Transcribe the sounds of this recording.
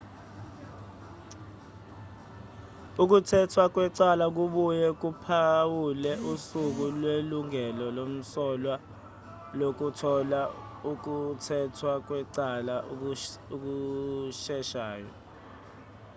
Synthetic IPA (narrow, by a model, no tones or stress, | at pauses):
uk̬utʰɛtʰwak̬wɛǀalak̬uɓujɛk̬upʰawulɛusuk̬ulweluŋɛlɔlom̩sɔlwa | lok̬utʰɔlauk̬utʰɛtʰwak̬wɛǀala | uk̬uʃɛʃaːjɔ̰